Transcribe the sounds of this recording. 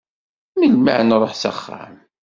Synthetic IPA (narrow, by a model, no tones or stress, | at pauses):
milma̰ʕnɾˤoħsə̰χːa̰m